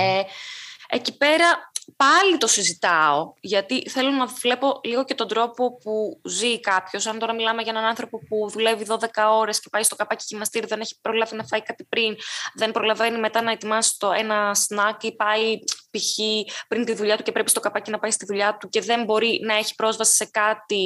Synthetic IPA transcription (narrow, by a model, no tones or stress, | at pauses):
e | ecipe̞ɾɐpɐlit̪o̞sizit̪ɐo̞ʝɐt̪iθe̞lo̞nɐvle̞po̞liɣo̞ce̞t̪o̞nd̪ɾo̞po̞puzikɐpço̞sɐnt̪o̞ɾɐmilɐme̞ʝɐenɐnɐnθɾo̞po̞puðule̞viðo̞ðe̞kɐo̞ɾe̞sce̞pɐjst̪okɐpɐciʝimnɐst̪iɾiðene̞çi̥pɾo̞lɐvinɐfɐikɐt̪ipɾinðe̞npɾo̞lɐve̞nime̞t̪ɐnɐet̪imɐst̪oe̞nɐsnɐkipɐipiçipɾint̪iðuʎɐt̪uce̞pɾe̞pist̪o̞kɐpɐcinɐpɐjist̪iðuʎɐt̪uce̞ðe̞mbo̞ɾinɐe̞çi̥pɾo̞zvɐsi̥se̞kɐt̪i